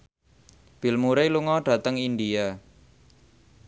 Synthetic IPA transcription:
b̥i̤lmuɾeluŋɔɖ̥ä̤t̪əŋindia

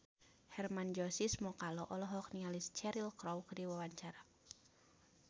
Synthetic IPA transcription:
hɛrmand͡ʒɔsismɔkalɔʔɔlɔɦɔkniŋalist͡ʃɛɾilkɾɔwkdiwawaɲt͡ʃaɾa

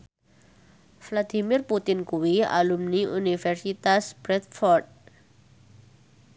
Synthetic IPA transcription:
flad̪imɪrput̪ɪnkuwia̰lumniʔunifɛrsit̪asbɾɛt̪̚fɔrd̪̚

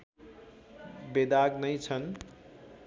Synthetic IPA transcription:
bed̪aɡnʌjt͡sʰʌn

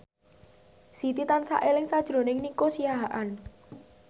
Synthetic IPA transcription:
sit̪it̪ansa̰ʔelɪŋsad̥ʒ̥ɾo̤nɪŋnikosijaɦaʔan

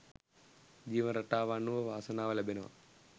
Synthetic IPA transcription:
d͡ʒiːʋɐnɾɐʈaːʋaːnːuʋɐʋaːsɐnaːʋɐlɐbʱinɐʋɐ̰

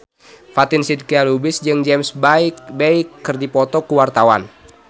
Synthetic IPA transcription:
fat̪ɪnsid̚kialubɪsd͡ʒɨŋd͡ʒɛmsbaikbeikːɨrdipɔt̪ɔkuwart̪awa̰n

